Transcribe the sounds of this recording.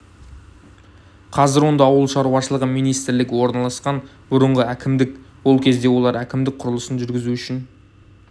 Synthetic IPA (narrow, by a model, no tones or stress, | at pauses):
qʰɑzɪɾwo̞nd̪ɑːwəlˠʃɑɾuɑʃəlˠəʁəmijnijst̪ɾlɪɡʲɪwo̞ɾnɑlˠɑsqɑn | bʊɾəɴʁəækʲɪmd̪ɪkwo̞lˠkʲʰe̞zd̪e̞wo̞lˠɑɾækʲɪmd̪ɪk̚qʰʊɾəlˠəsənʒʏɾɡʲɪzuʏʃɪn